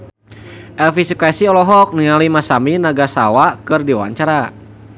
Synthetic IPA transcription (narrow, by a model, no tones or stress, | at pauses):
ʔɛlfisukasiɔlɔɦɔk̚niŋalimasaminaɡasa̰wakɨrdiwa̰ɲt͡ʃaɾa